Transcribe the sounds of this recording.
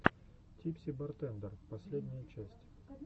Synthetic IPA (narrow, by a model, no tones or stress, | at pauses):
tʲipsʲibɐrt̪ɛnd̪ərpɐsʲlʲed̪ʲnʲɪjət͡ɕæsʲtʲ